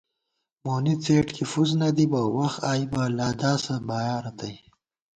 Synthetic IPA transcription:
monit͡seːʈkʰifuznad̪ibawaxt̪aːjbalaːd̪ɑːsabɑːjaːɾat̪ʰaj

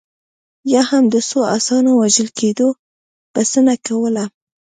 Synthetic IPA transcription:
jɑhamd̪əsoasɑnowaʒəlked̪o | pəsənakawəla

